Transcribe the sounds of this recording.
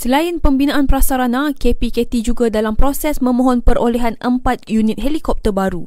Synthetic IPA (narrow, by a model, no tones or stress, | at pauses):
səlainpəmbinãʔanpɾasaɾanãkepiket̪id͡ʒuɡadalampɾosɛsmə̃mɔ̃ɦɔnpəɾʔoleɦanəmpat̪̚junĩt̪̚ɦelikɔp̚t̪ərbaɾu